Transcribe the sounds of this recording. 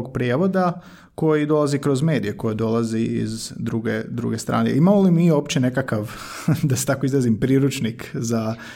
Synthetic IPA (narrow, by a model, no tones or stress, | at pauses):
ɡ̚pɾijeʋo̞d̪a | ko̞jid̪o̞lˠazikɾo̞zme̞ːd̪ije̞ko̞jed̪o̞lˠaziḭzd̪ɾuɡḛd̪ɾṵɡe̞st̪ɾa̰ːnḛʔimamolimio̞ːpt͡ɕe̞ne̞kakaʋ | d̪aset̪akoizˠazimpɾiːɾut͡ʃnikza